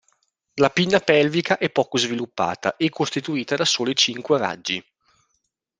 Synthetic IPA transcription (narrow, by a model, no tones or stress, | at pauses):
lapinːapɛlvikaʔɛpːɔːkozvilupːa̰ːt̪a̰ʔekʰːost̪it̪uiːt̪ad̪asoːloit͡ʃiŋkwera̰d͡ʒːi